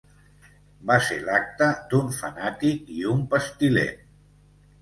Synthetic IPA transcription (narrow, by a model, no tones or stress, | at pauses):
baselak̚t̪əd̪uɱfənat̪ikiumpəst̪ilḛ